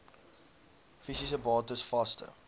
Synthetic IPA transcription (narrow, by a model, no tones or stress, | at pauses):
fisisəbɑːtəsfɐstə̰